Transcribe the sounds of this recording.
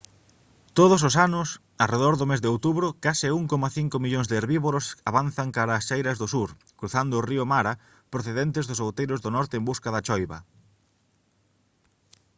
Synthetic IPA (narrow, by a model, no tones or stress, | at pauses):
t̪oð̞ʊs̬ʊs̬anʊs | areðɔɾðʊmezðɪowt̪uβɾʊkasɪuŋkɔmɐθiŋkʊmiʎoŋzðɪeɾβiβoɾʊsaβanθɐŋkaɾaːsʃejɾɐzðʊsuɾ | kɾuθand̪ʊːriʊmaɾɐ | pɾoθeðent̪ɪzðʊsowt̪ejɾʊzðʊnɔɾt̪eːmbuskaðɐt͡ʃɔjβɐ̰